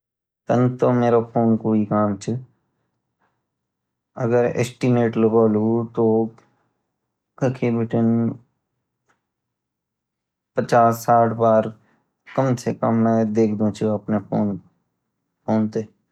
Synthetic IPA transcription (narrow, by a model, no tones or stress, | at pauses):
t̪ənt̪omeːɾapʰoːnkoːikaːmt͡ʃʰə | ɐ̰ɡəɾḛːsʈimeːʈləɡoːluːt̪o | kəkʰibɪʈən | pət͡ʃaːsːaːʈʰbaːɾ | kəmsekəmnad̪eːkʰd̪ũt͡ʃʰuɐpnepʰoːn | poːnt̪eː